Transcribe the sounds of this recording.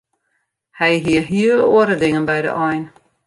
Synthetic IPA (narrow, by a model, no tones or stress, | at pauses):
hɛjɦiəɦiəloəɾədɪŋənbɛjdə̰ʔɔjn